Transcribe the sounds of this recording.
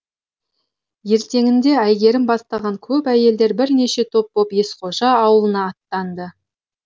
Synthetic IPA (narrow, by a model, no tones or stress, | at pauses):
je̞ɾt̪e̞ŋɪnd̪e̞æjɡʲe̞ɾɪmbɑst̪ɑʁɑŋkʲʰɵpæje̞ld̪e̞ɾbɪɾne̞ʃe̞t̪ʰo̞p̚ːo̞pje̞sqo̞ʒɑːwəlˠənɑːt̪ːɑnd̪ə